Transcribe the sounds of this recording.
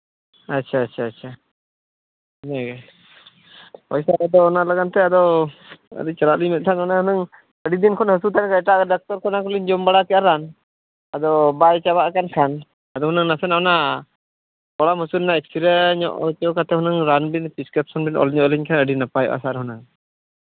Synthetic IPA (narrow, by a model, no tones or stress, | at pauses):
atːʃʰaːtːt͡ʃʰaːtːt͡ʃʰa | nɛɡɛ | pɔjsaɾad̪ɔːnalaɡant̪ɛad̪ɔ | ə̰d̪it͡ʃaɾaʔliɲmɛt̪̚ˀt̪ʰananahunaŋ | əɖid̪inkʰɔnɦəsut̪ʰankajʈaɖak̚t̪ɔɾkʰɔnakuliɲd͡ʒɔmbaɽakɛaɾan | ad̪ɔbajt͡ʃabaʔkankʰan | ad̪ɔhunaŋnasɛnaɔna | kɔɽaməsulɛnaɛksʰiɾɛɲɔ̰ʔt͡ʃɔkat̪ɛhunaŋɾanbinpiskɛp̚sɔnbinɔ̰lɲɔʔliɲkʰanəɖinapajɔ̰ʔa̰saɾɦunaŋ